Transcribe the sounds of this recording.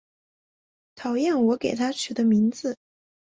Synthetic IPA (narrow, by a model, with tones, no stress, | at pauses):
t̪ʰɑ˨˩ʊjɛ˥˩nwɔ˧˥ke˨˩ɪt̪ʰa˥t͡ʃʰy˨˩d̪ə˦mi˧˥ŋd͡zɹ̩˧